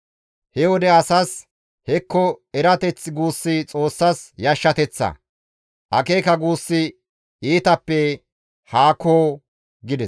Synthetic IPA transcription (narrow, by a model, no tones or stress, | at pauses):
hɛwɔd̪ɛɐsɐs | hɛkːɔɛɾɐt̪ɛt͡sːɪɡuːsːɪt͡sʼo̞ːsːɐsjɐʃːɐt̪ɛt͡sːɐ̰ | ʔɐkeːkɐɡuːsːɪ | iːt̪ɐpːɛ | haːkoː | ɡɪd̪ɛs